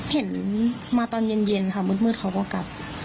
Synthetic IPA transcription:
he˨˩˦n | maː˧t̪ɔː˧nje˧nje˧nkʰa˧˩mu˧˥t̪̚mɯː˧˩t̪̚kʰa˧˩wkɔː˧˩ka˨˦p̚

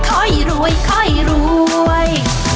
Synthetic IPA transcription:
kʰɔ˧˩jɾuː˧˦əjkʰɔ˧˩jɾuː˦˧əj

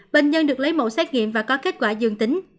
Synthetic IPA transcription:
ɓe˨˩n̟zə˧nɗɨ˨˩ək̚lə˨˦jmo̰˧˨sɛ˦˥t̚ŋḭ˧˨əmvaː˨˩kɔ˨˦ke˦˥t̚kwaː˧˩zɨ˨˩əŋt̪ï˨˦ŋ̟

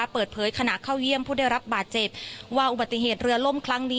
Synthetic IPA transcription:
pɤː˨˩t̪̚pʰɤː˩˦jkʰa˧na˨˩ʔkʰaː˥˩wji˥˩əmpʰuː˥˩da˥˩jɾa˦˥p̚baː˨˩t̪̚t͡ɕe˨˩p̚waː˥˩ʔu˨ba˨˩t̪ːi˧˩ɦeː˨˩t̪̚ɾɯ˧ɐlo˥˩mkʰɾa˦˥ŋniː˦˥

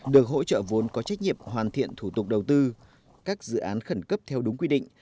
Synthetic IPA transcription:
ɗɨ˨˩ək̚ɦo̰˧˥t͡ɕə̰ː˧˨vo˨˦nkɔ˨˦t͡ɕa˦˥k̚ɲḭ˧˨əmhwaː˨˩nt̪ʰḭ˧˨ənt̪ʰu˧˩t̪ʊ˨˩k͡p̚ɗə˨˩wt̪ɨ˧ | kaː˦˥k̚zɨ̰˧˨ʔaː˨˦nxə˧˩nkə˦˥p̚t̪ʰɛ˧wɗʊ˨˦ŋ͡mkwi˧ɗḭ̈˧˨ŋ̟

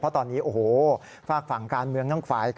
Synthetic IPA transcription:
pʰɔ˦˥t̪ɔː˧nːiː˦˥ʔoː˨˩hoː˨˩ | faː˥˩k̚fa˩˦ŋkaː˧nmɯ˧əŋnaː˥˩ŋkʰfaː˨˦jkʰ

